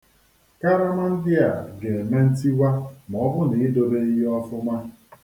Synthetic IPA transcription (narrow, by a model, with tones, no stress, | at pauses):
ka˦ɾa˦ma˦n̩˦dɪ˦a̰˨ɡe˨e˨me˦n̩˦ti˦wa˦m˨ɔ˨˦bʊ˦ni˨i˦do˨be˦i˦ɦi˦ɔ˦fʊ˦ma˦